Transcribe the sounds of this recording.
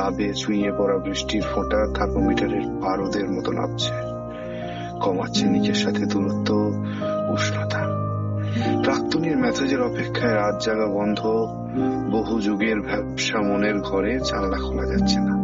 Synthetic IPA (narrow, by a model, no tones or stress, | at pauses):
abet͡ɕuĩepɔɾabɾiʃʈiɾfoʈat̪ʰapomiʈaɾeɾpaɾod̪eɾmɔt̪onʔa̰b̚t͡ɕʰe̥ | kɔma̰ːɕʰenikeɾʃat̪ʰet̪ulot̪ːo | uʃnat̪ʰaɾ | pɾak̚t̪oniɾmɛt̪ʰad͡ʑeɾɔpekʰːaeɾat̪̚d͡ʑaɡabɔnd̪ʱo | boɦud͡ʑoɡeɾbʱɛbʃamoneɾɡʱɔɾed͡ʑanlakʰɔlad͡ʑatːɕʰena